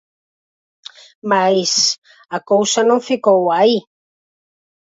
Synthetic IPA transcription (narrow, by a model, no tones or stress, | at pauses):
majs | akowsanõŋfikowai